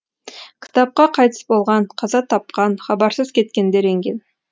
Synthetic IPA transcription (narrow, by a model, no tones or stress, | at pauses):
kʲʰɪ̥t̪ɑp̚qɑqʰɑjt̪əsbo̞lˠʁɑɴqʰɑzɑt̪ʰɑp̚qɑnχɑbɑɾsəzkʲʰe̞t̪kʲe̞nd̪eɾeŋɡʲe̞n